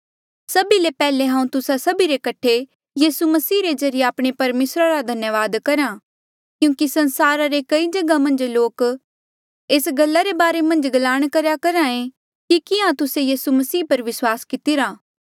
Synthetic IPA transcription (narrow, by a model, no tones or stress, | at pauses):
sɐbilepɛːleɦãːũt̪ʊsasɐbiɾekɐʈʰe | jiːsumɐsiːɾezɐɾijeaːpɽ̃epɐɾmeːsɾaɾad̪ʱɐnjəʋaːd̪kɐɾã | kjũːkisɐ̃nsaːɾaɾekɐid͡ʒɐɡamɐ̃nd͡ʒloːk | eːsɡɐlːaɾebaːɾemɐ̃nd͡ʒɡɐlaːɽ̃kɐɾjakɐɾãẽ | kikɪãt̪ʊsejiːsumɐsiːpɐɾʋɪswaːskɪt̪ɪɾaː